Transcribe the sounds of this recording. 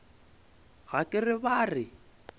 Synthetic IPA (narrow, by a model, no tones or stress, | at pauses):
ɣakʼɪrɪβaːrɪ